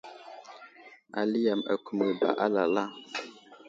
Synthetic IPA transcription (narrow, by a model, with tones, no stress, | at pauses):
ʔa̰˨li˦ja˨ma̰˨ku˨mə˨ba̰˨ʔa˦la˨la˦